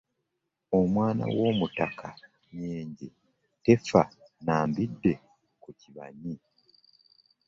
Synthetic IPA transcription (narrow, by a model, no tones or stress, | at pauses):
omwaːna̰wo̞ːmutakʰa | ɲeːɲɟi | te̞fanaːmbidːe̞ | kuciβa̰ɲi